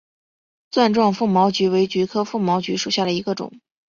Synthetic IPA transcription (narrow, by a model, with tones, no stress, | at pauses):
t͡swa˥˧nʈ͡ʂwɑ˥˧ŋfu˥˩mɑ˧˥ʊt͡ɕy˧˥we˧˥ɪt͡ɕy˧˥kʰɤ˥fu˥˩mɑ˧˥ʊt͡ɕy˧˥ʂu˨˩ɕja˥˩d̪ə˩i˧˥ɡə˧ʈ͡ʂʊ̰˨˩˦ŋ